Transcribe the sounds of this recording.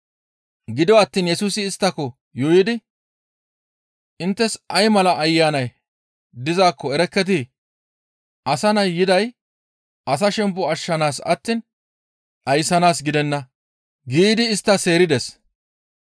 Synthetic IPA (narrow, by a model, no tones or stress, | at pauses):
ɡɪd̪ɔɐt̪ːiːnjɛsuːsɪːst̪ːɐkɔ | jɔjɪd̪ɪ | ʔɪnt̪ːɛsʔɐjmɐlɐʔːjːaːnɐj | d̪ɪzaːkːɔɛɾɛkːɛt̪̬ɪ | ʔɐsɐnɐjːɪd̪ɐj | ʔɐs̬ɐʃɛmpːʊɐʃːɐnaːsɐ̰t̪ːiːn | ᶑɐjsɐnaːsɡɪd̪ɛnːɐ | ɡiːd̪ɪːst̪ːɐse̞ːɾɪd̪ɛs